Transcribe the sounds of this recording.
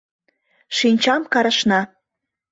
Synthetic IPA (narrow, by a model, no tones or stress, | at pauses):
ʃinʲt͡ɕɑmkɑɾə̆ʃnɑ